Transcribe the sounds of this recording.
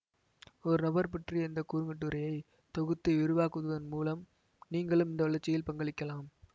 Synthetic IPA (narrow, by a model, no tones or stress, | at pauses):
ɔɾɯnɐbɐɾpɪʈriɛnd̪ɐkuːɾɯŋɡɐʈːɯɾɐjɐɪ | t̪ɔɣɯt̪ːɯʊɾɯʋaːkɯðɯðɐnmuːlɐm | niːŋɡɐɭɯmɪnd̪ɐʋɐɭɐɾt͡ʃːɪjɪlpɐŋɡɐɭɪkːɐlaːm